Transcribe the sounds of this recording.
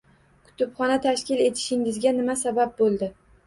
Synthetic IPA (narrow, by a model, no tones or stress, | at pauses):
kʰʊ̥t̪ʊpχɒnat̪ʰaʃkʲɪle̞t̪ʰɪ̥ʃɪŋɪzɡʲanɪmasabap̚bolˠd̪ɪ